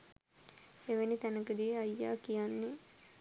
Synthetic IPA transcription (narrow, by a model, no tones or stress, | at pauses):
eʋenit̪ænəkəd̪ieajːa̰ːkijanːe